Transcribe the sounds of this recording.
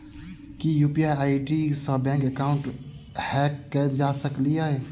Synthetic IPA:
kijuːpiaːjaːiʈisãbɛ̃ːŋkəkaːʊ̃ɳʈ | hɛːkːəd͡ʒaːsəkliaːɦeː

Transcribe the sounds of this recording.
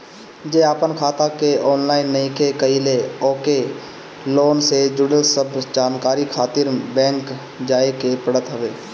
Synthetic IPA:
d͡ʒeːaːpənkʰaːt̪akeɔːnlaːɪnːəĩkekəileɔːke | loːnsed͡ʒʊɽəlsəbd͡ʒaːnkaːɾikʰaːt̪ɪɾbɛ̃ːŋk | d͡ʒaːekepəɽət̪ɦəʋeː

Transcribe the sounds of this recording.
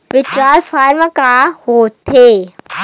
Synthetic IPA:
ʋɪt͡ʃɾaːlfaːɾmakaɦoːt̪ʰeː

